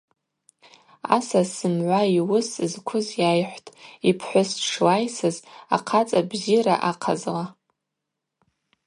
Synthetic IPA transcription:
a̰sasɨmʕʷaiwʊsɨzkʷʰʊzjajħʷtʼipʰħʷʊsʂʰwajsɨza̰qʰat͡sʼabziɾa̰ʔaqʰazla

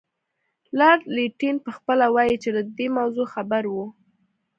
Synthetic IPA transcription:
lɑɖliʈinpəxpəlawajit͡ʃed̪əd̪emawzoxabaɾwu

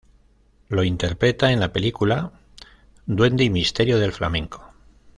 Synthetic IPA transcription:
lo̞int̪e̞ɾpɾe̞t̪ae̞nlape̞likula | d̪we̞nd̪eimist̪e̞ɾjo̞ð̞e̞lfla̰mẽ̞ŋko̞̥

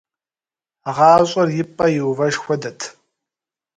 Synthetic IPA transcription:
ʁɑːɕʼɐrjɪpʼɐjɪwvɐʒxʷɔdɐtʰ

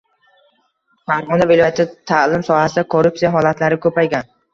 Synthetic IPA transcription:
faɾʁɒnavɪlɒjat̪ʰɪt̪ʰalɪmsɒhasɪd̪akʰoɾup̚tsijaɦɒlat̪ʰlaɾɪkʰɵpajɡʲan

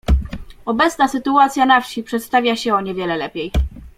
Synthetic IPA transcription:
ɔbɛt̪snasɘt̪uat̪sʲjanafɕipʂɛt̪st̪avʲjaɕɛɔɲɛvʲjɛlɛlɛpʲej

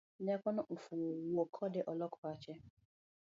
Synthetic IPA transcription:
nekʷɔnʊʔʊfuwokʰɔdɪʔɔlɔkʰɔat͡ʃɛ

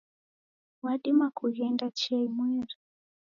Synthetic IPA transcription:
waɗimakʰujɛndat͡ʃaimwɛːri

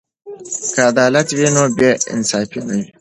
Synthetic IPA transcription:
kaːd̪aːlɐt̪winoːbeɪ̰nsaːfinɐwi

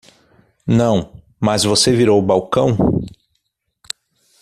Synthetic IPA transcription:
nɐ̃w̃ | mɐzvoseviɾowbawkɐ̃w̃

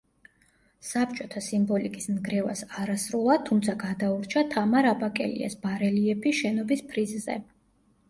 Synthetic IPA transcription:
sapʰt͡ʃʼɔt̪ʰasimbɔlikʼisnɡɾɛva̰saɾasɾulˠat̪ʰumt̪sʰaɡad̪auɾt͡ʃʰat̪ʰamaɾabakʼɛ̰lḭa̰sbaɾɛliɛpʰiʃɛnɔbispʰɾizzɛ̰

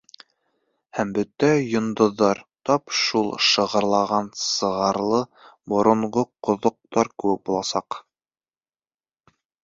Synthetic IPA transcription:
hæmbɵt̪æjŏnd̪ŏðːɑɾt̪ɑpʃulˠʃɤ̆ʁɤ̆ɾlˠɑʁɑnsɤ̆ʁɑɾlˠɤbŏɾŏɴʁoqŏðŏq̚t̪ɑɾkɘwɘk̚bulˠɑsɑq

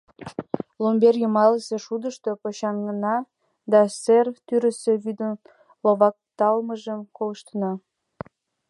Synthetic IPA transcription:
lomberjəmɑləse̽ʃud̪əʃt̪opoɕɑŋənɑ | d̪ɑsert̪yɾə̆seβyd̪ən | loβɑk̚t̪ɑlməʒəmkoləʃt̪ənɑ

